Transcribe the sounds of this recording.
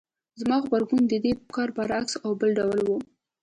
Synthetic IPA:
zmɑɣbaɾɡund̪əd̪ekɑɾbaɾaksawbəlɖawlwu

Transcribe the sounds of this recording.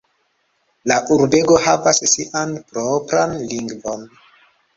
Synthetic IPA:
laʔuɾbe̞ɡo̞havassiʔanpɾopɾanliŋɡvo̞n

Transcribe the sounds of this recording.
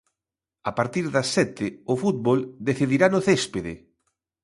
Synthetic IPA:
apaɾt̪iɾðɐsːɛt̪ɪʊfut̪̚βold̪eθiðiɾanʊθespeðɪ̰

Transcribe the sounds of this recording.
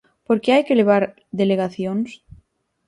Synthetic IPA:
poɾkeajkeleβ̞aɾ | ðeleɣ̞aθjoŋs

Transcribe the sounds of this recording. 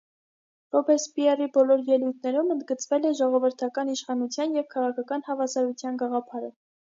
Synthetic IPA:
rɔbɛɾspiɛribɔlɔɾjɛlujt̪̚ʰnɛɾumənd̪̚ɡət͡svɛlɛʒɔʁɔvəɾt̪ʰɑkɑniʃχɑnut͡sʰjɑnjɛvkʰɑʁɑkʰɑkɑnhɑvɑsɑɾut͡sʰjɑnɡɑʁɑpʰɑɾə

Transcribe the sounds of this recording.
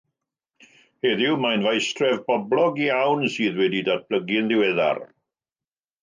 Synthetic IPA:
heðɪwmajnvajstrɛvbɔblɔɡiawnsɨːðwɛdidad̚b̥ləɡɪnðɪwɛða̰r

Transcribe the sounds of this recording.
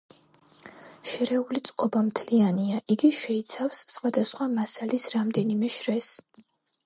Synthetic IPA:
ʃɛɾɛulit̪sʼqʼɔbamt̪ʰlianiaʔiɡiʃɛit̪sʰafsːχwad̪asχwamasalisɾamd̪ɛnimɛʃɾɛs

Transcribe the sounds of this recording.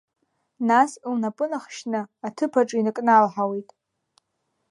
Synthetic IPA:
naslnapʼɨnaχʃnɨatʰɨpʰaʈ͡ʂʼinɨkʼnalħawejtʼ

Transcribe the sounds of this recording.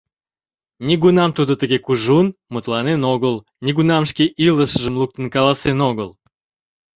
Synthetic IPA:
nʲiɡunɑmt̪ud̪ət̪əɣekuʒunmut̪lɑnenoɣəl | nʲiɣunɑmʃkeʔiləʃəʒəmlˠuk̚t̪ənkɑlɑsenoɣəl

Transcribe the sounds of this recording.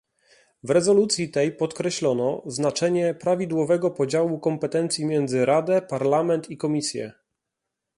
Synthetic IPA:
vɾɛzɔlut̪sʲjit̪ɛjpɔt̪kɾɛɕlɔnɔznat͡ʂɛɲɛpɾavʲid̪wɔvɛɡɔpɔd͡ʑawukɔmpɛt̪ɛnt̪sʲjimʲjɛnd̪zɘɾad̪ɛpaɾlamɛnt̪ikɔmʲisʲjɛ̰

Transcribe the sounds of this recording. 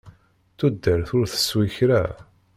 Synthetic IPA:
θud̪ːəɾθʊɾθə̥swiçɾæ̰

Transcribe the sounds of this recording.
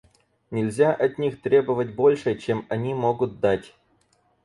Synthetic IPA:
nʲɪlʲzʲaʔɐt̪ʲnʲixt̪ɾʲe̞bəvətʲbo̞lʲʂɨt͡ɕemɐnʲimo̞ɡʊt̪̚d̪atʲ

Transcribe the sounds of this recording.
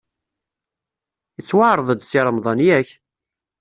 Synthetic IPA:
ət͡sːwaʕɾˤəðˤəd̪siɾˤəmðˤɑnjæç

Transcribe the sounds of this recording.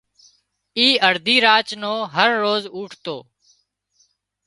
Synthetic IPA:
iːəɾd̪ʱiːɾaːt͡ʃnoːɦəɾːoːzuːʈʰt̪oː

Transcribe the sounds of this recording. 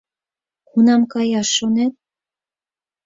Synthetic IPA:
kunɑmkɑjɑʃonet̪̚

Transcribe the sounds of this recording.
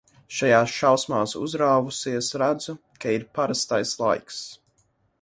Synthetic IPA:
ʃajaːsʃawsmaːsṵzɾaːvusiɛsɾæd̪zu | kʰaiɾpaɾast̪ajslˠa̰jks

